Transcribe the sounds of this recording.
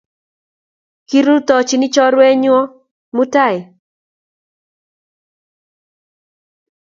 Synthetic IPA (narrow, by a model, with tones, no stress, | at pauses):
ki˦ɾu˦t̪ɔ˨t͡ʃi˨nɪ˦t͡ʃɔ˦ɾwɛ˦ɲwɔ˦ | mu˦ta˦˨ɪ˨